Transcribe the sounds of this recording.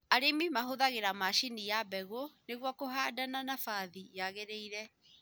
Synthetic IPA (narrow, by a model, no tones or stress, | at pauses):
aɾemimaɦoðaɣeɾamaʃinijabɛɣoneɣwɔkoɦaːdananafaðijaɣeɾeiɾɛ